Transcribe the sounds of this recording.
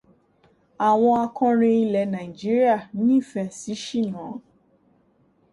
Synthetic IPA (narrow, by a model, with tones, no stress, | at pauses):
a˨w̃ɔ̃˧a˧kɔ̃˧ɾ̃ĩ˧i˧lɛ˨nã˨i˨d͡ʒi˦ɾi˦a˦˨nĩ˦˨fɛ˧˨si˨˦ʃi˦˨nã˨˦